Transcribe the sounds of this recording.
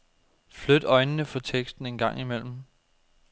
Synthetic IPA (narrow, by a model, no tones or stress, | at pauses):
flød̥ɒ̽ɪnənəfɒ̽t͡sʰeɡ̥sd̥n̩e̝nɡ̥ɑ̈ŋ̰imel̰m̩